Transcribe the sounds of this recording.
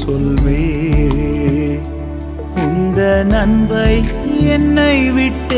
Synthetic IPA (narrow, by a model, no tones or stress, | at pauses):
sɔlʋeː | ɪnd̪ɐnɐnbɐɪɛnːɐɪʋɪʈː